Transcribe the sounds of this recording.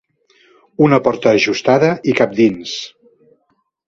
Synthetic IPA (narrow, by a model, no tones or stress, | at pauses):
unəpɔɾt̪əːʒust̪aðəikap̚d̪ins